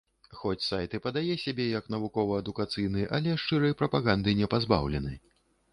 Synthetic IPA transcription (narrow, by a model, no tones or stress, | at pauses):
xɔt͡sʲsajt̪ɨpɐd̪ajɛsʲabʲɛjɐkn̪ɐvukɔvɐɐd̪ukat̪sɨjnɨʔɐ̰lʲɛʂt͡ʂɨɾɐjpɾɐpaɣand̪ɨnʲɛpazba̰wlʲɛnɨj